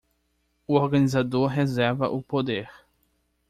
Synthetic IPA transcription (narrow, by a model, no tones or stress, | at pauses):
uoɾɡanizad̪oɾɦezɛɾvɐ̰ʔupod̪eɾ